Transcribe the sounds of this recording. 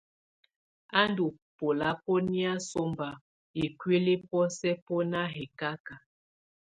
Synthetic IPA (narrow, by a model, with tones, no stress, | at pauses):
a˦ndu˨ | po˨la˦pɔ˦ni˦a˦so˦mba˨ | i˨kɥe˦le˦pɔ˦sɛ˦pɔ˦na˦ɦe˨ka˦ka˨